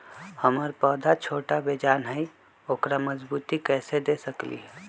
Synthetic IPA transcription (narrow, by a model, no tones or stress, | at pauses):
həməɾpəd̪ʱat͡ʃʰoʈabed͡ʒanɦəj | oːkɾaməd͡ʒbut̪ikɛːsed̪esəklḭɦɛ